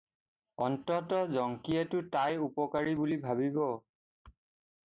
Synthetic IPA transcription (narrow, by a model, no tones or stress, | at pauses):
ɔntɔtɔzɔŋkietʊtajupɔkaɹibulibʱaβibɔ